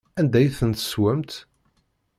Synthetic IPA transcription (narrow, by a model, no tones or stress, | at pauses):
ænd̪æjθənt̪ə̥swæmt̪